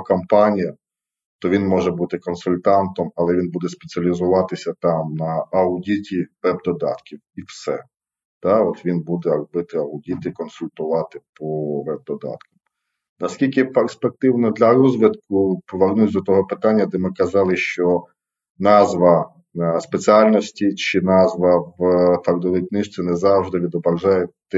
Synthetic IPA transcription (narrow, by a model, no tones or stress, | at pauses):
kɐmpɑnʲijɐ | t̪ɔʋʲinmɔʒɛbut̪ɪkɔnsʊlʲt̪ɑnt̪ɔmɐlˠɛʋʲinbud̪ɛspet͡sʲiɐlʲizʊʋɑt̪ɪsʲɐt̪ɑmnɐɐʊdʲitʲiʋɛbd̪ɔd̪ɑ̰t̪kʲiwiwsɛ̰ | t̪ɑɔt̪ʋʲinbud̪ɛɐɡbɪt̪ɪɐʊdʲit̪ɪkɔnsʊlʲt̪ʊʋɑt̪ɪpɔʋɛb̚d̪ɔd̪ɑ̰t̪kɐm | nɐskʲilʲkɪperspek̚t̪ɪwnɔd̪lʲɐɾɔzʲʋʲid̪kʊpɔʋernusʲd̪ɔt̪ɔɦɔpɪt̪ɑnʲːɐd̪ɛmɪkɐzɑlˠɪʃt͡ʃɔ | nɑzʋɐ | spet͡sʲiɑlʲnɔsʲtʲit͡ʃɪnɑzʋɐʋfɐkd̪ɔʋɪjknɪʃt̪t͡s̪ʲɛnɛzɑwʒd̪ɪʋʲid̪ɔbɾɐʒɑjɛt̪